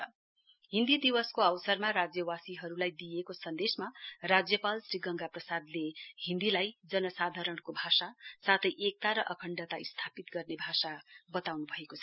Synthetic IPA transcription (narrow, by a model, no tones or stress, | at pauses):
ɦĩnd̪id̪iwʌskoʌwsʌrmaɾad͡zjʌwasiɦʌɾulajd̪ijekosʌnd̪esmarad͡zjʌpalsriɡʌŋɡaprʌsad̪lehĩnd̪ilajd͡zʌnʌsad̪ʱaɾʌɳkobʱasasat̪ʰʌjʔek̚t̪aɾʌʔʌkʰʌɳɖʌt̪aist̪ʰapit̪ɡʌrnebʱasabʌt̪awnubʱʌekot͡sʰʌ̥